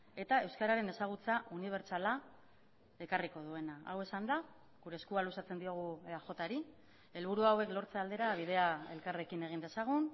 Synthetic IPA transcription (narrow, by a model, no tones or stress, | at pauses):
e̞t̪ae̞wskaɾaɾe̞ne̞saɣ̞ut͡saʔuniβ̞e̞ɾt͡sala | e̞kariko̞ðue̞naa̰we̞sand̪a | ɣuɾe̞skualusat͡se̞nd̪io̞ɣ̞uaxo̞t̪aɾi | e̞lβ̞uɾuawe̞klo̞ɾt͡seald̪e̞ɾaβ̞iðe̞ae̞lkare̞kine̞ɣ̞ind̪e̞saɣ̞un